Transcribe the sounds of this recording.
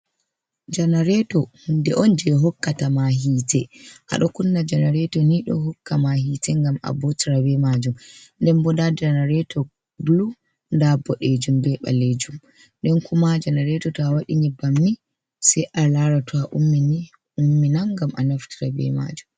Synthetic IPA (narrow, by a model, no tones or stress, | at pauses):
d͡ʒanaɾɛtɔhundɛʔɔnd͡ʒɛɦɔkːatamaɦiːtʰɛʔa̰ɗɔkunːad͡ʒanaɾɛtɔniɗɔ̰ɦɔkːamahitɛŋɡama̰bɔtɾabɛmad͡ʒumndɛnbɔdad͡ʒanaɾɛtʰɔ | bulu | ndabɔɗed͡ʒumbɛɓa̰led͡ʒum | ɗɛnkʰumad͡ʒanaɾɛtɔtawaɗiɲibamni | sɛjʔalaɾatʰɔaʔumːini | umːinaŋɡamʔa̰naftiɾabɛ̰ma̰d͡ʒum